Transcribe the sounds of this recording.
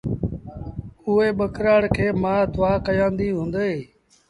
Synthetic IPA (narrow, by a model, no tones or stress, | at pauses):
ʊeːɓəkɾaːɽkʰeːmãːd̪ʊʋaːkəjãːnd̪iːɦũːnd̪eː